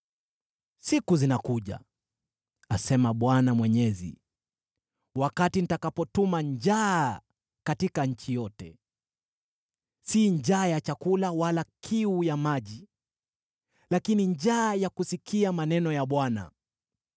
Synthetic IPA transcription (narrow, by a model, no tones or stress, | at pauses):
sikuzinakuʄa̰ | asɛmaɓwanamwɛɲɛzḭ | wakatin̩takapɔtumand͡ʒa | katikaɲ̩t͡ʃijɔtɛ | siɲd͡ʒaːjat͡ʃakulawalakʰiujamaʄi | lakiniɲd͡ʒaːjakusikʰiamanɛnɔjaɓwana̰